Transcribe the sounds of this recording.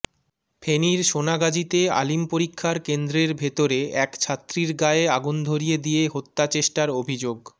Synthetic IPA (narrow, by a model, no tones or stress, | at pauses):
pʰeniɾʃonaɡad͡ʑit̪ea̰limpoɾikʰːaɾkend̪ɾeɾbʱet̪oɾeɛkt͡ɕʰat̪ːɾiɾɡaeeaɡund̪ʱoɾijed̪ijeɦot̪ːat͡ɕeʃʈaɾobʱid͡ʑoɡ